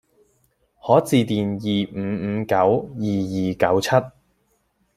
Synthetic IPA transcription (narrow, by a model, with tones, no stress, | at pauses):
hɔː˨˥t͡siː˨˧t̪iː˨njiː˨˩˨kɐ˨˥wjiː˨jiː˨kɐ˨˥wt͡sʰɐ˥t̚